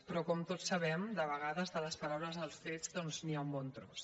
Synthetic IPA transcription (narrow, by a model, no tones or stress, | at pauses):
pɾɔkɔmt̪osːəβɛmd̪əβəɣ̞aðəzðələspəɾawləzðəlˠsfed͡zd̪ɔnzniaumbɔnt̪ɾɔ̰s